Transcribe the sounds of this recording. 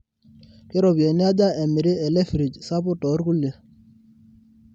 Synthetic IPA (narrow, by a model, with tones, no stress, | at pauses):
kɪ˦ɾɔ˨bi˨e˨nɪ˦a˦d͡ʒa˦ʔɛ˨mɪ˨ɾɪ˦ɛ˨lɛ˦fɾi˨d͡ʒsa˦pʊ˦tɔ˨˦ɾku˦le˨